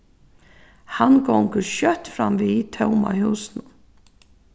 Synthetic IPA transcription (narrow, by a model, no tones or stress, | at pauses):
hanɡɔŋkəɾʃœht̪fɾamviːt̪ʰɛwma̰huːsnʊ